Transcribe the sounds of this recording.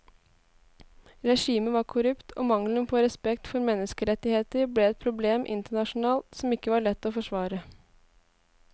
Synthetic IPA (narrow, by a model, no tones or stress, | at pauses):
ɾɛʂiːməʋɑːɾkʰʊɾʉpt̪ʰo̰ːmɑŋlənpʰɔːɾɛspɛkt̪fɔɾmɛnːəskəɾɛt̪ːɪheːt̪əɾbleːɛt̪̚pʰɾʊbleːmʔɪ̰nt̪əɳɑʂʊn̩ɑːlsɔmɪkːəʋɑːɭɛt̪ːoːfɔʂʋɑːɾə